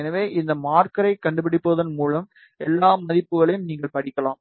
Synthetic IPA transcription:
ɛnɐʋeːʔɪnd̪ɐmaːɾkɐɾɐɪkːɐɳɖɯpɪɽɪpːoːðɐnmuːlɐm | ɛlːaːmɐðɪpːɯɣɐɭɐjɯmniːŋɡɐɭpɐɽɪkːɐlaːm

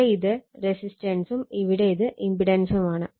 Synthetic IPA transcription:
ɐɪðɐɾɛsɪsʈɐnsumɪʋɪɽɐɪðɯʔɪmbɪɽɐnsɯmaːnɐ

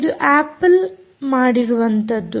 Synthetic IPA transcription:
d̪uʔaːpːɐl | maːɽiɾuʋɐnt̪ɐd̪ːu

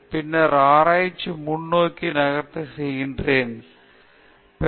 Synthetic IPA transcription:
pɪnːɐɾaːɾaːjt͡ʃːɯmʊɳːoːkːinɐɣɐɾt̪ɐsɛjɣɪndreːn | pɛ

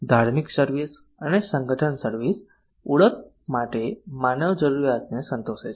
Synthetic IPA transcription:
d̪ʱaɾmiksəɾʋis | ənesəŋɡʱəʈʰəɳsəɾʋis | uɭət̪̚ | maʈemanəʋd͡ʒəɾuɾjat̪nesənt̪oʃet͡ʃʰ

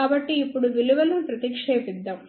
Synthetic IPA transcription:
aːbɐʈːiːpːuɽuʋiluʋɐlupɾɐt̪ikʂeːʋid̪ːɐm

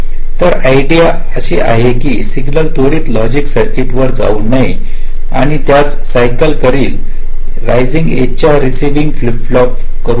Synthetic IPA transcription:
t̪əɾaiɖija | əɕiːʔa̰ɦekiːsiɡnəlt̪oɽiːt̪lɔd͡ʑiksəɾkiːʈʋəɾd͡za̰unaj | a̰ɽ̃it̪jat͡s | sajkəlkəɾiːl | ɾajd͡ziŋɡḛt͡ɕjaɾisiʋiŋɡflipflɔp | kəɾu

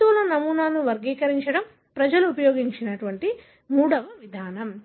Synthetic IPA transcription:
ulɐnɐmuːnaːnuʋɐɾɡiːkɐɾiɲt͡ʃɐɽɐm | pɾɐd͡ʒɐluːpɐjoːɡiɲt͡ʃinɐʈuʋɐɳʈi | muːɽɐʋɐʋid̪ʱaːnɐm

